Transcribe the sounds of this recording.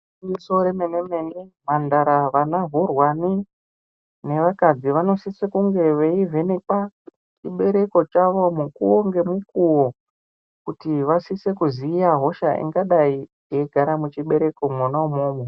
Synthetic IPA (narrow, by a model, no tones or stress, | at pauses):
muso̞ɾemenemenimandaɾaʋanaɦurwani | ne̞ʋakad͡ziʋano̞sisekuŋɡe̞ʋeivʱe̞nek͡pa | t͡ʃiɓe̞ɾe̞ko̞t͡ʃaʋo̞mukuoŋɡe̞mukuwo | kutiʋasise̞kuziːjaɦo̞ʃaʔḭŋɡaɗai | jeɡʱaɾamut͡ʃiɓe̞ɾe̞ko̞monaumoːmo